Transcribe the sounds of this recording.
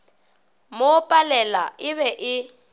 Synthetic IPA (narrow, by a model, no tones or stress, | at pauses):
mopʼalɛlaɪβɛʔɪ